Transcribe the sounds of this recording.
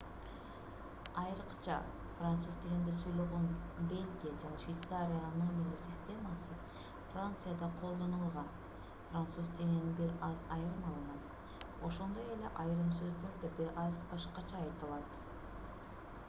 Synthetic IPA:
ɑjɾɯqt͡ʃɑ̰ | frant̪suzt̪ʲened̪esujlˠuʁonbʲe̞lʲɡʲijad͡ʒɑnɑʃvʲijt̪saɾʲɪjananomʲiləsʲɪsʲt̪ʲe̞masɨ | frant̪sɨjad̪ɑqʰo̞lˠd̪o̞nɯlˠʁɑn | frant̪suzt̪ʲenenibiɾɑzɑjɾɯmɑlˠɯnɑt̪ | o̞ʃo̞nd̪o̞je̞le̞ʔɑjɾɯmsø̞zd̪øɾd̪ebiɾɑzbɑʃqɑt͡ʃɑːjt̪ɯlˠɑt̪

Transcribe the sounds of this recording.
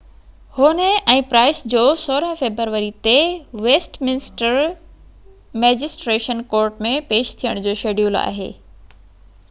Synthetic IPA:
hʊnəɛ̃ːpɾaːɪsd͡ʑoːsoːɾəɦfeːbɾəɾʋəɾit̪eʋeːsʈmɪnɪsʈəɾ | mɛːd͡ʑɪsʈɾeːʃənkoːɾʈmẽpeːʃt̪ʰijəɽ̃d͡ʑoːʃeːɖjuːla̰ːɦḛː

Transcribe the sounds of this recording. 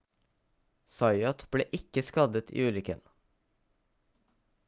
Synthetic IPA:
sɑɪɔt̪b̥ɽḛːʔɪkəskɑd̪ət̪ʰḭːʉːlʏkən

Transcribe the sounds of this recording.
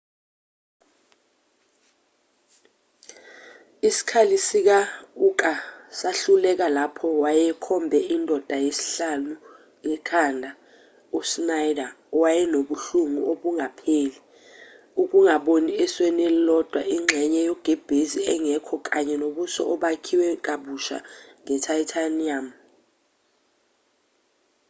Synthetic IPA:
isi̥kʰalisik̬aukʼasaɬulɛk̬alapʰɔwajɛkʰɔmbʱɛindʱɔd̥ʱajesi̥ɬanu | jɛkʰandʱa | usnajda | wajɛnoɓuɬuŋuoɓuŋapʰeːli | uk̬ʼuŋaɓoniɛswɛnɛllɔd̥ʱwaʔiŋ͡ǁʱɛɲɛjɔɡ̥ʱɛb̥ʱeziɛŋɛkʰɔk̬ʼaɲɛnoɓusɔ̰ʔɔɓakʰiwɛk̬aɓuʃa̰ŋɛtʰajitʰaniam

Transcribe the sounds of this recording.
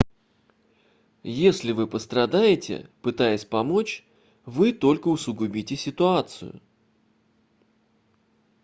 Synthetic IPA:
jesʲlʲɪvɨpəst̪ɾɐd̪ajɪtʲɪ̰pɨt̪ajɪsʲpɐmo̞t͡ɕ | vɨt̪o̞lʲkəʊsʊɡʊbʲitʲɪsʲɪt̪ʊat̪sɨ̰jʊ̰

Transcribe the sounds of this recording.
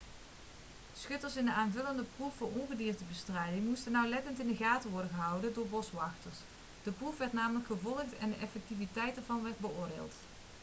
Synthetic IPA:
sχɵtəɹsɪndəaːnvɵləndəprufʊːɹɔnɣədiːɹtəbəstrɛjdɪŋmustənɑwlɛtəntɪndəɣaːtəʋɔɹdəɣəɦɑwdəndʊːɹbɔsʋɑxtəɹs | d̥əprufʋɛɹtnaːmələkχəvɔlˠəχtɛ̰ndəʔɛfɛk̚tivitɛjtɛɹvɑnʋɛɹd̚bəʊːɹdḛːlˠt

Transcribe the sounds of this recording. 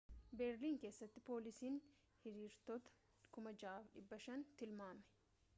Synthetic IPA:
bɛːɾliːŋke̞ːsːɐt̪ːɪpo̞ːlɪsiːn | hɪɾiːɾt̪ɔt̪ɐ̥ | kʊmɐd͡ʒaːfᶑɪbːɐʃɐnt̪ɪlmaːmɛ̥

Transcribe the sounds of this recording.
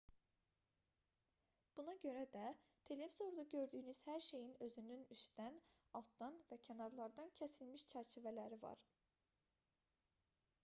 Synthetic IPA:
b̥unɑɟø̞ɾæd̪æt̪ʰe̞le̞vizo̞ɾd̪ɑɟø̞ɾd̪yːnyz̥hæɾʃe̞jinø̞zynynyst̪æn | ɑlˠt̪d̪ɑnvæcʰænɑɾlˠɑɾd̪ɑncʰesilmiʃt͡ʃʰæɾt͡ʃʰivælæɾivɑ̰ɾ

